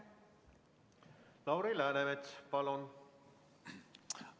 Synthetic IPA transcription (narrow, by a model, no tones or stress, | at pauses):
lɑwɾilæːneʋet̪pɑlon